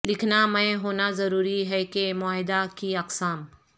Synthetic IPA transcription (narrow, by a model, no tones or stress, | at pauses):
lɪkʰnamə̃ẽɦoːnazɐɾuːɾiɦɛkemʊaːɦɪd̪akiɐqsaːm